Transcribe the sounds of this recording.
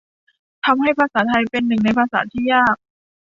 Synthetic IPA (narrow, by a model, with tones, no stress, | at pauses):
t̪ʰa˧mha˥˩jpʰa˧saː˩˦t̪ʰa˧jpe˧nːɯ˨˩ŋna˧jpʰaː˧sa̰ː˩˦t̪ʰiː˥˩jaː˥˩k̚